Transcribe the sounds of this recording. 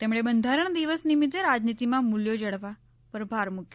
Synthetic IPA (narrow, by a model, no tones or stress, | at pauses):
t̪emɽebənd̪ʱaɾəɳ̃d̪iʋəsnimit̪eɾad͡ʒnit̪imãmuljod͡ʒəɽʋa | pəɾbʱaɾmukʰjo